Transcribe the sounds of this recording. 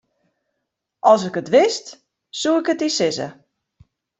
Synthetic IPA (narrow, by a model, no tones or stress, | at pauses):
ʔɔlˠsɪkətʋɪst | suɪkətisɪzə̰